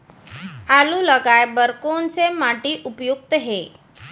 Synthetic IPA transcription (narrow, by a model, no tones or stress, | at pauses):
aluləɡajbəɾkont͡semaʈiːʔupjuk̚t̪əɦe